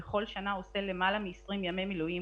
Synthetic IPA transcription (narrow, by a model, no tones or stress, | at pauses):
eχo̞lʃanaosele̞malamiːsʁimjamemilui